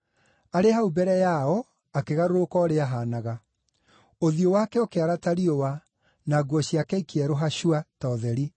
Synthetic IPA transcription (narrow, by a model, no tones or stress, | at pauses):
aɾehaubɛɾɛjaɔ | akeɣaɾoɾokɔɾeaɦanaɣa | oðiowaːkɛokeaɾataɾiowa | naɡwɔɕiakɛikeɛɾoɦaɕuatɔðɛɾi